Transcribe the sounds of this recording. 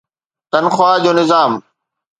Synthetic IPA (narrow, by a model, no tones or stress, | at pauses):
t̪ɐnxwaːd͡ʑoːnɪzaːm